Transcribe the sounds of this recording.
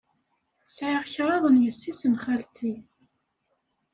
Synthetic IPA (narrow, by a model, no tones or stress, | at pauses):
sʕaʁçɾˤɑðˤənjəsːisənχælt̪i